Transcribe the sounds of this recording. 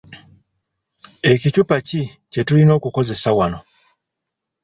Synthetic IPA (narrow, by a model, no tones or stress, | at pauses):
ekit͡ʃupat͡ʃi | t͡ʃetulinokukozesawano